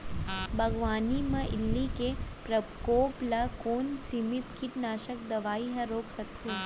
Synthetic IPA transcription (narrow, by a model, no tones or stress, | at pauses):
bʱɐɡʋaːnimɐ̃ʔɪlːikepɾɐkoːplakoːnsimɪt̪kʰiʈnaːʃəkd̪ɐʋaːiɦɐ̃ɾoːksɐk̚t̪e